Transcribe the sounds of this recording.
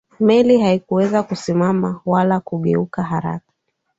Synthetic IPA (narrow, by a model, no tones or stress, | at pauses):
mɛliɦaikuwɛzakusimamawalakuɠɛukaɦaɾa̰kḁ